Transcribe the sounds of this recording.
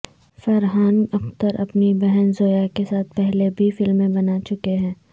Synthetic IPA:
fɐɾɦaːnɐxt̪əɾʔɐpnibɛɦɛnzoːjakesaːt̪̚ʰpɛɦlebʱifɪlmːẽbɐnat͡ʃʊkeɦɛ̃ː

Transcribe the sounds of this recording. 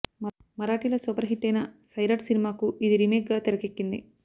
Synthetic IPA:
mɐɾaːʈilɐsuːpɐɾɐɦiʈːɐjnɐsɐjɾɐʈsinimaːkuʔid̪iɾimeːkɡaːt̪iɾɐkekːind̪ḭ

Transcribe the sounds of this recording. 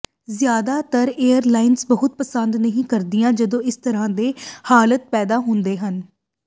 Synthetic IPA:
zjaːd̪aːt̪əɾeːəɾlaːɪnsbəɦʊt̪̚pəsənd̪nəɦĩːkəɾd̪ɪjãːd͡ʒəd̪õːɪst̪əɾãːd̪eːhaːlət̪̚pɛːd̪aːɦʊnd̪eːɦən

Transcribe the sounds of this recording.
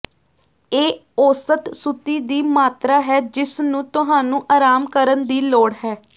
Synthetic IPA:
eː | oːsət̪sut̪iːd̪iːmaːt̪ɾaːɦɛːd͡ʒɪsnũːt̪ʊɦaːnũːʔaːɾaːmkəɾənd̪iːloːɽɦɛː

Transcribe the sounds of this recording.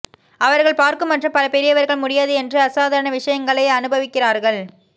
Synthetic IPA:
ɐʋɐɾɣɐɭpaːɾkɯmːɐʈrɯmpɐlɐpɛɾɪjɐʋɐɾɣɐɭmʊɽɪjaːðɯɛndrɯɐsaːðɐɾɐɳɐʋɪʂɐjɐŋɡɐɭɐɪɐnɯbɐʋɪkːɪraːɾɣɐɭ

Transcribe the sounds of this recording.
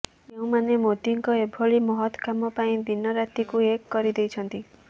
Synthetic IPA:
eũmanemot̪iŋkɔebʱoɭimɔɦɔt̪kamɔpaĩd̪inːɔɾat̪ikuekːɔɾid̪ejt͡ʃʰɔnt̪i

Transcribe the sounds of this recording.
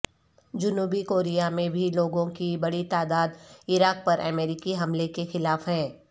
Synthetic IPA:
d͡ʒʊnuːbikoːɾijamẽbʱiloːɡõkibɐɽit̪aːd̪aːd̪ɪɾaːk̚pɐɾʔɛ̰meːɾɪkiɦɐmlekexɪlaːfɦɛ̃ː

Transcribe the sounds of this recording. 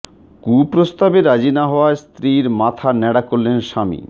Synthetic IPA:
kupɾost̪abeɾad͡ʑinaɦɔoaest̪ɾiɾmat̪ʰanɛɽakoɾːenʃamḭ

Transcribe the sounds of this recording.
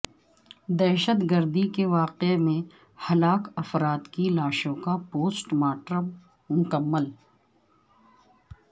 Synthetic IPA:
d̪ɛːʃət̪ɡəɾd̪ikeʋaːqemẽ | hɐlaːkɐfɾaːt̪kilaːʃõkapoːsʈmaːʈɾəm | mʊkəmːəl

